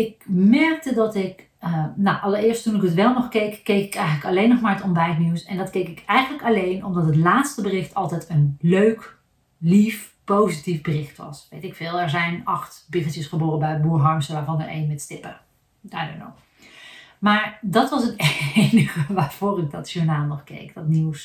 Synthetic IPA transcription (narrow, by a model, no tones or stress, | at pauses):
ɪk̚mɛɹk̚tədɑtɪk | no̰wʔɑlˠəɹɪːɹstunɪkətʋɛlˠnɔχkejkːejkɪkɛjχənləkɑlejnɔχmaːɹətɔmbɛjtniwsɛndɑtkejkɪkɛjχənləkɑlejnɔ̰mdɑtɦətlaːtstəbərɪχtɑlˠtɛjtənløɥk | lif | powzitifbərɪχtʋɑ̰sʋejtɪkfɪːlˠɛɹzɛjnɑχtbɪχəlˠtjəsχəboːrəbɛjbuːɹɦɑɹmstəʋaːɹvɑnə̰ɹḛjnʋɛtstɪpə̰ | daːdə̰nɔ̰ | maːɹdɑtʋɑs̬ətenəχəʋaːɹv̥oːrɪk̚dɑtʃuɹnaːlˠnɔχkḛjkd̥ɑtniws